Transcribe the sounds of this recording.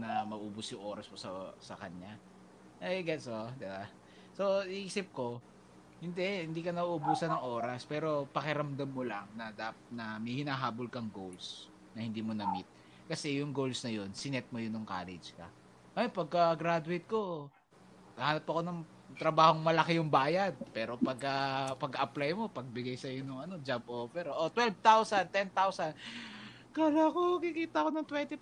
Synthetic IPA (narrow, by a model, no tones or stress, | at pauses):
nɐmɐɡʔuːbʊsjʊŋʔo̞ːɾɐsmosɐsɐkɐɲa | ʔɐjɐɡɛsʔod̪ɪba | so̞ɪʔiːsɪp̚ko̞ | hɪnd̪ɛhɪnd̪iːkɐnɐʔbuːsɐnɐŋʔo̞ːɾɐspɛːɾo̞pɐkɪɾɐmd̪ɐmːolaŋnɐd̪apɐt̪̚nɐmɐjhɪnaːɦaːbolkɐŋɡowls | nɐhɪnd̪iːmonɐmɪt̪̚ | kɐsɛjʊŋɡolsnɐjo̞nsɪnɛt̪̚mojʊnʊŋka̰ːlɛ̰d͡ʒkɐ̰ | ʔɐpɐɡ̚kɐɡɾad̪ʊɪt̪̚ko̞ | ɡɐhaːnɐp̚ːɐko̞nɐŋ | t̪ɾɐbaːho̞ŋmɐlɐkɪjʊŋbaːjɐd̪̚pɛːɾo̞pɐɡ̚ɐpɐɡkːɐʔɐplajmo̞pɐɡ̚bɪɡajsɐjonɐŋɐno̞d͡ʒab̚ʔoːfɛɾʔot̪wɛlvt̪awsɐnt̪ɛnt̪awsɐn | kalakonɐkikiːt̪ɐkonɐŋt̪wɛnt̪ɪ